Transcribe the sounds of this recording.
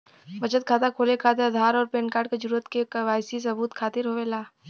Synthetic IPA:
ʋɐt͡ʃət̪̚kʰaːt̪akʰoːlekʰaːt̪̬eɾɐd̪ʱaːɾɔːɾpeːnkaːɾɖked͡ʒɐɾuːɾət̪kekɐʋaːjsis̬ɐbuːt̪kʰaːt̪ɪɾɦoːʋeːlaː

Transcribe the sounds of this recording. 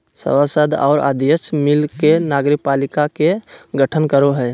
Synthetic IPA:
sə̰wasəd̪ʱɔ̰ːɾa̰d̪jəsmɪlkenaːɡɾɪk̚paːlɪkakeɡəʈʰənkəɾoɦɛː

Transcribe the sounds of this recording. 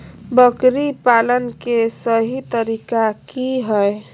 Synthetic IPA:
bəkɾipalənkesəɦit̪əɾikakiɦəe

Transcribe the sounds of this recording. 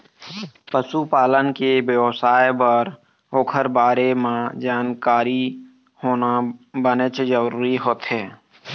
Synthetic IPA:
pəsupaːlənkebsaːebəɾ | oːkʰəɾbaːɾemãd͡ʒaːnkaːɾi | hoːnabənət͡ʃd͡ʒəɾuːɾiɦoːt̪ɦɛː

